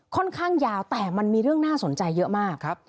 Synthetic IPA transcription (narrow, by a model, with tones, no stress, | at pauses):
kʰːɔ˥˩nkʰaː˥˩ŋjaː˧wt̪ɛː˨˩ma˧nmiː˧ɾɯ˥˩əŋnaː˥˩so˩˦nt͡ɕa˧jːɤ˦˥ʔmaː˥˩k̚ʰ